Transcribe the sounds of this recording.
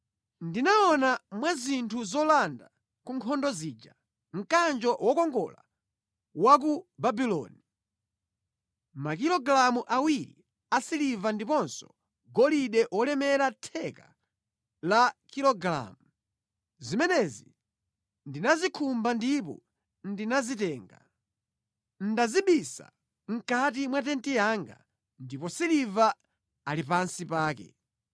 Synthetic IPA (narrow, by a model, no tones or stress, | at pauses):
ndinaɔnamwazintʰuzɔlanda | kuŋkʰɔndɔziːd͡ʒa | ŋ̩kand͡ʒɔwʔɔkɔŋɡɔ̰la | wak̬ubabilɔ̰ni | mak̬ilɔɡlamuʔawiɾḭ | asilivandipɔnsɔ̥ | ɡɔliɗɛʔwɔlɛmɛɾatʰɛka | lakilɔɡɾa̰mu | zimɛnɛzi | ndinazikʰumbandipɔ̰ | ndinazitɛːŋɡa | n̩daziɓisa̰ | ŋ̩kat̬imwatɛntijaŋɡa̰ | ndipɔsiliva | alipansipaːkɛ̰